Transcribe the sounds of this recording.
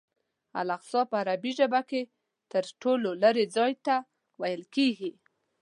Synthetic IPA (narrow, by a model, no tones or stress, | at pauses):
a̰laqsɑpəaɾabiʒəbake | t̪əɾʈololəɾed͡zɑjt̪a | wajəlkeɡi